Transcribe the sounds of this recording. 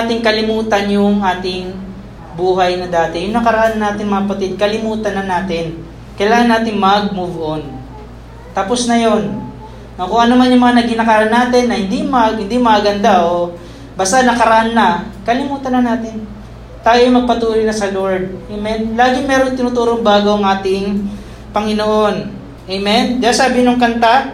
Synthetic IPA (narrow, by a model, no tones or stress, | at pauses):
at̪ɪŋkɐlɪmuːt̪ɐnjʊŋaːt̪ɪŋ | buːɦɐjnɐd̪aːt̪ɛjʊŋnɐkɐɾɐʔanːɐnaːt̪ɪŋmɐŋɐpɐt̪ɪd̪̚kɐlɪmuːt̪ɐnːɐnaːt̪ɪn | kɐjlaːŋɐnːaːt̪ɪŋmɐɡ̚muvʔon | t̪aːpo̞snɐjo̞n | okʊŋɐnomanjʊŋmɐŋanɐɡinɐkɐɾɐnːaːt̪ɪnːɐhɪnd̪imɐɡhɪnd̪imɐaɡɐnd̪aʔo | baːst̪anɐkɐɾɐʔanːɐkɐlɪmuːt̪ɐnːɐnaːt̪ɪn | t̪aːjomɐɡ̚pɐt̪uːlɪjnɐsɐloɹd̪̚ʔejmɛnlaːɡɪŋmɛːɾoŋt̪ɪnʊːt̪uːɾoŋbaːɡowɐŋʔaːt̪ɪŋ | pɐŋɪnoʔo̞n | ʔejmɛnd͡ʒasaːbɪnoŋkɐnt̪a